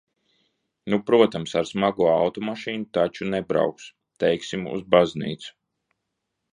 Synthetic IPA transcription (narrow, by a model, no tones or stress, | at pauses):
nupɾuɔt̪amsaɾsmaɡuɔawt̪ɔmaʃiːnut̪at͡ʃunɛbɾa̰wks | t̪ɛjksimṵzbaznḭːt̪su̥